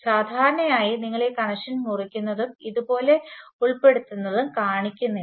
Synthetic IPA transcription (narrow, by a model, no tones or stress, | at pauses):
saːd̪ʱaːɾɐɳɐmaːjiniŋːɐɭe̞kɐɳɐʂɐnmurikʲːunːɐðumiðubo̞ːle̞uɭpe̞ɽut̪ːunːɐðumkaːɳikʲːunːi